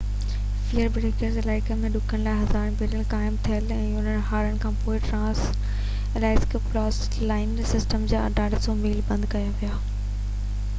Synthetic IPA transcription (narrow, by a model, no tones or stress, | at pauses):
fijəɾbɾeːkəɾzɪlaːɪkəmẽɗʊkʰəɽ̃laːɪɦɐzaːɾbeɾəlkaːɪmt̪ʰijəlɛ̃ːʊn̤ənɦaːɾənɪ̆kʰãːpoːɪʈɾãːs | elaːɪskplɔːs | laːɪnsɪsʈəmd͡ʑaːɐ̰ɖaːɽsõmiːlbɐ̃nd̪kɐjaʋijaː